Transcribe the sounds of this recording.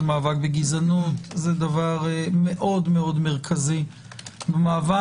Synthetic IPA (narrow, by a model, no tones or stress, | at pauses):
maːvak̚beɡizanutzed̪avaʁmeʔo̞dmeo̞dmeʁkʰazi | bemaːva